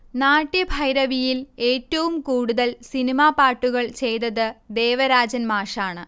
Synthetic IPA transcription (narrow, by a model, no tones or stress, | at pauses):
naːʈːjɐbʱɐjɾɐʋijile̞ːtːɐʋumkuːɽuðɐlsinimaːpaːʈːuɣɐɭt͡ɕe̞jt̪ɐðɨd̪e̞ːʋɐɾaːd͡ʑɐnmaːʂaːɳɨ